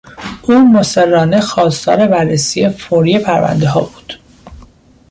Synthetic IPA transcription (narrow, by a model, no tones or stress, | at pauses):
ʔuːmoserːɒːne̞xɒːst̪ʰɒ̰ːɾe̞bærːesije̞foɾije̞pʰæɾvæ̰nd̪eɦɒ̰ːbuːd̪̥